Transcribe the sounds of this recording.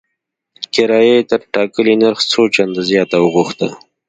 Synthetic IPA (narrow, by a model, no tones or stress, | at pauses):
kɪɾɑːjet̪aɾʈɑːkəlinəɾxt͡sot͡ʃand̪azjɑt̪aəɣuxt̪ə